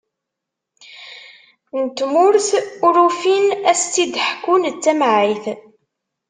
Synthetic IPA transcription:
nt̪ːmʊɾθʊɾufinæst͡s̪ːid̪ħkːunt͡sːæmʕiθ

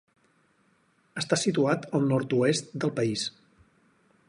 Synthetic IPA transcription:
əst̪asit̪uat̪əlˠnɔɾt̪uest̪d̪əlˠpəis

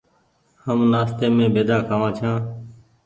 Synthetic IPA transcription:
həmnaːst̪eːmẽːbeːd̪aːkʰaːʋãːt͡ʃʰãː

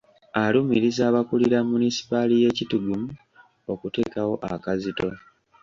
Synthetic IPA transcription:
alumiɾizaːβakuliɾamunisi̥palije̞cituɡumu | o̞kute̞kawo̞ʔakazito̞

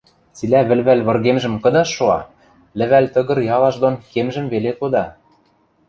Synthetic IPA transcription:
t͡silæβɘ̆lβælβɤ̆rɣemʒɘ̆mkɤ̆d̪ɑʃoɑ | lɘ̆βælt̪ɤ̆ɣɤ̆rjɑlˠɑʃd̪onkemʒɘ̆mβelekod̪ɑ

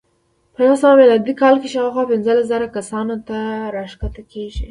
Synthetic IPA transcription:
pəjwsawamelɑd̪ikɑlkeʃawaxwɑpɪnzəlaszaɾakasɑnot̪aɾɑʃkat̪akʰeʒi

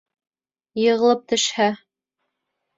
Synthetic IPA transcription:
jɤ̆ʁɤ̆lˠɤp̚t̪ɵ̆ʃhæ

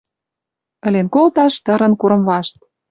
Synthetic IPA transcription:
ə̆lenkolt̪ɑʃt̪ə̆ɾə̆nkuɾɤ̆mβɑʃt̪

